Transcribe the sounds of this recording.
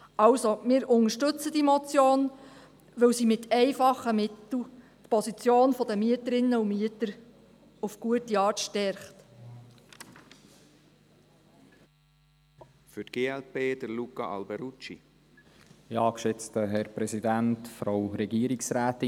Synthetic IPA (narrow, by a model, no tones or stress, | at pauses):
ʔɑwsomɪːɾʔʊŋəʃtɵt͡sədimɔt͡sjoːn | ʋɵwsimɪtʰɛɪfɑχːəmɪt̪l̩ | t̪pɔsit͡sjoːnfɔd̪əmyətəɾɪnːəumyətəɾ | ufɡ̥uətiɑːɾtʃtɛɾχt | fʏtɡ̥eːɛlpeːd̥̪əɾlukɑ̰ʔɑ̰lbɛɾut͡ʃḭ | ɪɑːkʃɛt͡st̪əɦɛɾpɾɛsidæntfɾawɾɛɡiəɾiksɾæːtɪ